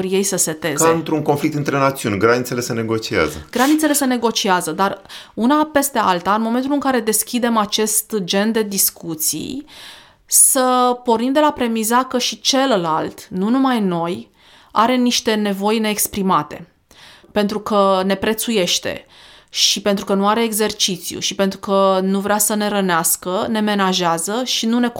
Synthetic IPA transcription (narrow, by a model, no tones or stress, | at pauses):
ɾje̞jsəse̞t̪e̞kzeɨnt̪ɾuŋkonflik̚t̪ɨnt̪ɾe̞nat̪siunʲɡɾanit̪se̞le̞sene̞ɡo̞t͡ʃia̰zə̰ɡ̥ɾanit̪sele̞se̞ne̞ɡo̞t͡ʃiazəd̪arunape̞st̪e̞alt̪aɨnmo̞me̞nt̪ulɨŋkaɾe̞d̪e̞skʲid̪e̞mat͡ʃe̞st̪d͡ʒe̞nd̪e̞d̪iskut̪sḭ | səpo̞rnimd̪e̞lapɾe̞mizakəʃit͡ʃe̞llalt̪nunumajno̞j | aɾe̞niʃt̪e̞ne̞vo̞jne̞ːkspɾimat̪e̞̰ | pe̞nt̪ɾukəne̞pɾe̞t̪suje̞ʃt̪e̞̰ | ʃipe̞nt̪ɾukənuaɾe̞ːɡze̞rt͡ʃit̪sijṵʃipe̞nt̪ɾukənuvɾeasəne̞ɾəneaskəne̞me̞naʒeazəʃinune̞